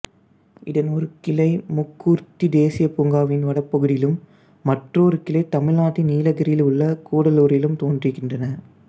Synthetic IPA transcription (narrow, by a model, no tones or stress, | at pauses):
ɪðɐnɔɾɯkɪlɐɪmʊkːuːɾt̪id̪eːsɪjɐpʊŋɡaːʋɪnʋɐɽɐpːɐɣɯðɪjɪlɯmː | ɐʈroːɾɯkɪlɐɪt̪ɐmɪɻnaːʈːiniːlɐɣɐɾɪjɪlʊɭːɐkuːɽɐluːɾɪjɪlɯmt̪oːndriɣɪndrɐnɐ